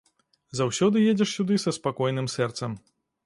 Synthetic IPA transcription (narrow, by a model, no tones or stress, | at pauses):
zawsʲɔd̪ɨjed͡zʲɛʂsʲud̪ɨsɐspakɔjnɨmsɛrt̪sɐm